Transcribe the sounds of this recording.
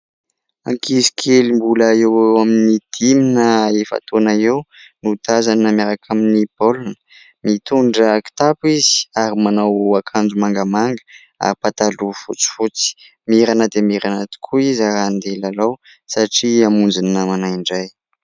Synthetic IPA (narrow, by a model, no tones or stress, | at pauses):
a̰ŋkʰizi̥kʰelimbulaewewaminid̪̥iminəefa̰t̪onaewnud̪̥azaniamaɾakʰaminipolunə | mit̪uɳɖ͡ʐaki̥t̪apizi̥aɾimanawakʰand͡zumaŋɡəmaŋɡə | a̰ɾipat̪alufṵt͡si̥fut͡si̥ | miɾanəd̪emiɾanat̪i̥kʰuizaɾand̪elalaw | saʈ͡ʂiamund͡zinːamanaiɳɖ͡ʐaj